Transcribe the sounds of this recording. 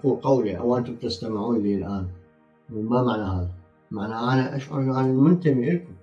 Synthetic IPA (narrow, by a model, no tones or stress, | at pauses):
kuqɑwliʔa̰wʔɪnt̪ʊmbt̪ɪst̪amɪʕuːnliːlʔaːn | wmamaʕnahaːða | maʕnaʔanaʔaʃʕʊɾˤʔanɪlmʊnt̪amiʔɪlkʊ